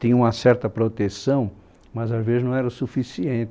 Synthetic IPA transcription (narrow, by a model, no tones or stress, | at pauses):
t̪ĩɲɐ̃ũmɐsɛɾt̪ɐpɾot̪esɐ̃w̃ | mɐzazvezɪznɐ̃w̃ɛɾɐʊsufisiẽnt̪